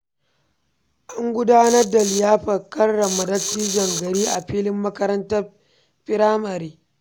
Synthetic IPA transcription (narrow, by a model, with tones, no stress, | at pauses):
ʔa˦ŋɡʷʊ˦daː˦nɐ˦rda˨lɪ˨jaː˦ɸɐ˨kɐ˦rːɐ˨mːɐ˨dɐ˦tːiː˦d͡ʒɐ˨ŋɡɐ˨ɾiː˦ʔa˨ɸiː˦lɪ˦mːɐ˦kɐ˦ɾɐ˦ntɐ˦ | ɸɪ˦ɾaː˦mɐ˨ɾiː˦